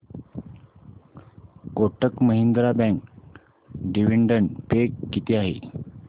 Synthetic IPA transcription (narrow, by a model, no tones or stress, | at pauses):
koʈəkməɦind̪ɾabɛ̃ŋk | ɖiʋiɳɖəɳpekːit̪iaɦḛ